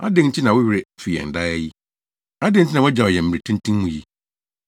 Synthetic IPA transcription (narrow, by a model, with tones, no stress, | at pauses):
a̰˦dɪ˦nɲ̩˨t͡ɕʰi˦nã˨wʊ˦ɥɪ˦ɾɪ˦fi˨jɛ̰˨n̩˨da˦ɛ˦ji˦ | a˦dɪ˦ɲ̩ʰ˦ɪ˦nã˨ʊ˦d͡ʑa˨ɔ˨jɛ˨m̩˨m˨ɾe˨tʰĩ˦n˦tʰĩ˦mmũ˨ji˦